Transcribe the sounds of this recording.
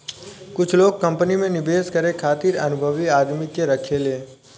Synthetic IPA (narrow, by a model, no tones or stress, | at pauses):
kʊt͡ʃʰloːɡ̚kɐ̃mpənimẽnɪbʱeːskɐɾekʰaːt̪iːɾɐnʊbʱəʋiaːd̪mikeɾɐkʰeleː